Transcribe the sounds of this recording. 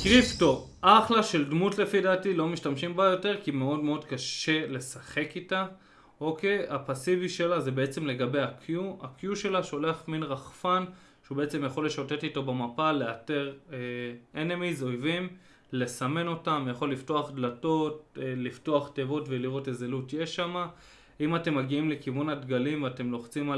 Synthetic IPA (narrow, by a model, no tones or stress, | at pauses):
kʁipto̞ʔaχlaʃe̞ldmutle̞fidatilo̞miʃtamʃimbajo̞te̞ʁkime̞o̞dmeo̞dkaʃe̞le̞saχe̞kita | o̞ke̞japasiviʃe̞laze̞be̞et͡se̞mle̞ɡabe̞jakʰjuakjuʃe̞laʃoleaχminʁaχfan | ʃeubeet͡se̞mjaχo̞le̞ʃote̞tito̞bemapale̞ate̞ʁeenemizo̞jvim | le̞same̞no̞tamjaχo̞lːifto̞aχdlato̞t̚lifto̞aχtevo̞tveliʁo̞tezelutjeʃama | imate̞mːaɡiimlekivunadɡalimvate̞mlo̞χt͡sima